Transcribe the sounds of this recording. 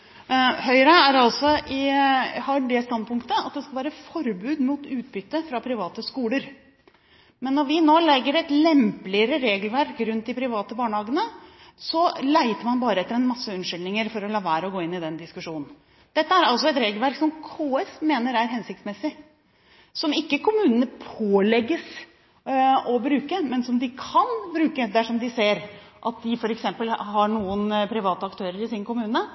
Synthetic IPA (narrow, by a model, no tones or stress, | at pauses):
hœʏɾɑæɾɑlsɔɪhɑɖɛst̪ɑnd̪̚pʰʊŋkt̪əɑt̪̚d̪ɛskɑʋæːɾəfɔɾbʉːd̪muːt̪ʉːt̪̚bʏt̪ːəfɾɑpʰɾɪʋɑːt̪əskuːləɾ | mɛnːɔɾʋɪnoːlɛɡːəɾɛt̪lɛmplɪəɾəɾeːɡəlʋæɾkɾʉnt̪̚d̪ɪpʰɾɪʋɑːt̪əbɑːɳəhɑːɡənəsɔlæɪt̪əɾmɑnbɑːɾəɛt̪ːəɾɛnmɑsːəʉnʂʏlnɪŋəɾfɔɾɔlɑːʋæːɾɔɡoːɪnːɪd̪ɛnd̪ɪskʉʂuːnn̩ | d̪̥ɛt̪ːəæɾɑlsɔɛt̪ɾeːɡəlʋæɾksɔmkʰoːɛsmeːnəɾæɾɦɛnsɪkt̪smɛsɪ | sɔmɪkːəkʰʊmʉːnənəpʰoːlɛɡːəs | ɔbɾʉːkəmɛnsɔmd̪ɪkʰɑnbɾʉːkəd̪æʂɔmd̪ɪseːɾʔɑ̰t̪̚d̪ɪfɔɾɛksɛmpəlɦɑɳuːənpʰɾɪʋɑːt̪əɑkt̪ʰøːɾəɾɪsɪnkʊmʉːnə